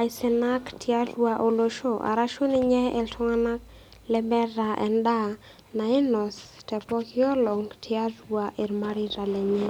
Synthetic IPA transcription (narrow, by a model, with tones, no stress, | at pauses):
a˨jsɛnaktʰia˦dwaʔo˨loʃoʔa̰˨ɾaʃo˦nɪ˦ɲɛ˦ʔɛltʰɔ˦ŋana˦k | lɛbɛ˦ɾaʔɛ̰˨nda˦ | na˨ɪ˦nɔ˨stɛpɔkʰɪɔ˦lɔ˨ŋtʰɪadwaʔe˨ɾmaɾiɾa˨lɛ˨ɲɛ˦